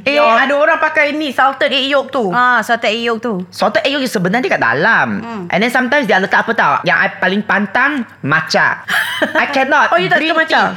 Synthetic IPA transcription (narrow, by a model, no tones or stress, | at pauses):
eoadaoɾaŋpakajnĩsawt̪ətejok̚t̪uasat̪ətejok̚t̪usat̪əʔeʔjok̚usəbənarndiəkaʔda̰lamʔɛ̰ndɛ̃nsãmt̪ãjmsdialək̪aʔapət̪awja̰ŋʔa̰jpalɪŋpant̪aŋ | mat͡ʃa̰ | ajkɛnɔt̪̚ojut̪əmãt͡ʃa